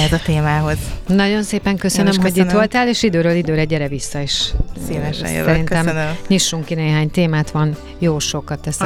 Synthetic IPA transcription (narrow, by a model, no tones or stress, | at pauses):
ɛzɒt̪eːmaːɦo̞znɒɟo̞nseːpɛŋkø̞sønømɦoɟit̪ʋo̞lt̪aːleːʃid̪øːɾøːlid̪øːɾɛɟːɛɾɛvisːɒeːʃiːnɛ̰ʃɛ̰sjo̰ɛɾinnɛmnmɲiʃːuŋkineːɦaːɲt̪eːmaːt̪ʋɒn | joːʃo̞kɒt̪ːɛs